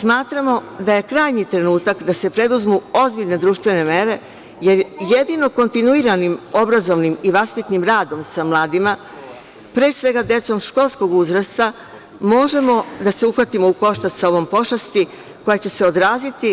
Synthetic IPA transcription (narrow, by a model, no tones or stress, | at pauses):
smaːt̪ɾamo̞d̪aje̞kɾaːjɲit̪ɾe̞nuːt̪akd̪ase̞pɾe̞d̪uzmuo̞zbiʎʲne̞d̪ɾuːʃt̪ʋe̞ne̞me̞ɾe̞ | je̞ɾjed̪ino̞ko̞nt̪inuiːɾanimo̞bɾazo̞ʋnimiʋaspit̪nimɾaːd̪o̞msamlˠaːd̪ima | pɾe̞ːsʋe̞ɡad̪e̞t̪so̞mʃko̞lˠsko̞ɡuzɾast̪a | mo̞ʒe̞mo̞d̪aseuxʋat̪imo̞uko̞ʃt̪asao̞ʋo̞mpo̞ʃast̪i | ko̞jet͡ɕe̞se̞o̞d̪ɾaːzit̪i